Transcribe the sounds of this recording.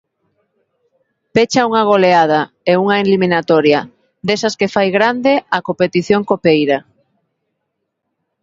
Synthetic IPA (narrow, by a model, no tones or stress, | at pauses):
pet͡ʃauŋaɣ̞oleað̞a | euŋaelimĩnat̪ɔɾja | d̪esaskefajɣɾand̪eakopet̪iθjoŋkopejɾa